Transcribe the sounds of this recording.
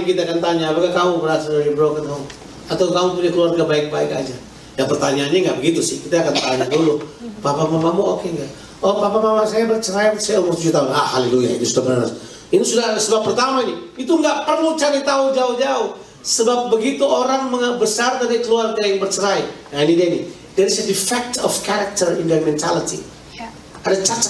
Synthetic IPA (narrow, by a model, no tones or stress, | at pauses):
kit̪aakant̪aɲaːpakakaubəɾasadad͡ʒibɾokanau | at̪awkaupudakəluarɡaʔbaɪk̚baɪka̰d͡ʒa | japərt̪aɲaːnɲaŋɡaʔbəɡit̪usɪhkit̪aakant̪aɲadulupapamamamuʔokeŋɡaʔ | obapamamasajabərt͡ʃəɾajnsajaumʊrt̪ud͡ʒut̪aɦʊna̰ha̰lilujaḭnisudapənanas | inisudaɦsəbapːərt̪amainiit̪uŋɡaʔpərlut͡ʃaɾit̪aud͡ʒaʊhd͡ʒaʊh | səbap̚bəɡit̪uʔoɾaŋməŋəbəsard̪adakəluark̪aɾajaŋbərt͡ʃəɾai | anidɛni | dɛɾisadifɛk̚t̪ɔfkɛɾak̚t̪ərindamɛnt̪ʰalit̪ḭ | adat͡ʃat͡ʃa